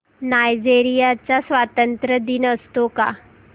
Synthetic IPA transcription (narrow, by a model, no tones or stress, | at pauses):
najd͡ʑeɾijat͡sasʋat̪ənt̪ɾəd̪iːnəst̪oka̰